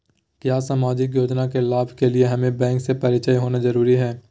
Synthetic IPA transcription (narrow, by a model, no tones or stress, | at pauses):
kjaːsaːmaːd͡ʒɪk̬joːd͡ʒnakelaːbʱkelieɦɐmẽbɛ̃ːŋksepɐɾɪt͡ʃəjɦoːnazɐɾuːɾiɦɛː